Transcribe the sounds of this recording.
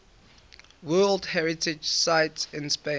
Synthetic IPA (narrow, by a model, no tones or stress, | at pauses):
wɜːldhɛɹɪtʰɪd͡ʒsaɪtsɪ̃nspẽ